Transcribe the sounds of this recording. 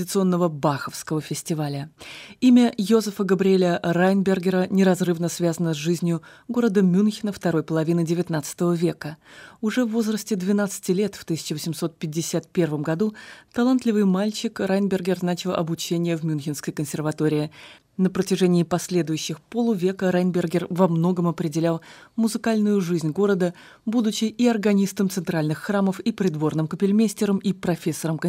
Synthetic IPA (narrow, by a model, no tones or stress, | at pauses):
dʲɪt̪sɨo̞nːəvəbaxəfskəvəfʲɪsʲtʲɪvalʲəimʲəjozəfəɡəbɾʲɪelʲəɾajnbʲɪrɡʲɪɾənʲɪɾɐzrɨvnəsvʲazənəzʐɨzʲnʲjʊɡo̞ɾəd̪əmʲunxʲɪnəft̪ɐɾo̞jpəlˠɐvʲinɨdʲɪvʲɪt̪nat̪sɨ̥t̪əvəvʲe̞kəʊʐɛvːo̞zɾəsʲtʲɪd̪vʲɪnat̪sɨ̥tʲɪlʲe̞t̪ft̪ɨsʲɪ̥t͡ɕɪvəsʲɪmso̞t̪̚pʲɪdʲːɪsʲat̪̚pʲe̞rvəmɡɐd̪ut̪ɐlˠant̪lʲɪvɨjmalʲt͡ɕɪkrajnbʲɪrɡʲɪrznat͡ɕɪlˠʔɐ̰bʊt͡ɕenʲɪjəvmʲʊnxʲɪnskəjkənsʲɪrvɐt̪o̞ɾʲɪɪ | nəpɾətʲɪʐɛnʲɪːpɐsʲlʲe̞d̪ʊjʉɕːɪxpolˠʊvʲe̞kəɾajnbʲɪrɡʲɪrvɐmno̞ɡəmɐpɾʲɪdʲɪlʲalˠmʊzɨkalʲnʊjʊʐɨzʲnʲɡo̞ɾəd̪ə | bud̪ʊt͡ɕɪɪɐrɡɐnʲist̪əmt̪sɨnt̪ɾalʲnɨxːraməfipɾʲɪd̪vo̞rnɨmkəpʲɪlʲmʲesʲtʲɪɾəmipɾɐfʲesːəɾəmk